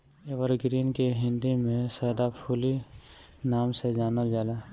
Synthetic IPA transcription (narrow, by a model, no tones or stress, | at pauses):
eːʋəɾɡɾiːnkeɦɪ̃nd̪imẽsəːd̪apʰuːli | naːmsed͡ʒaːnəld͡ʒaːlaː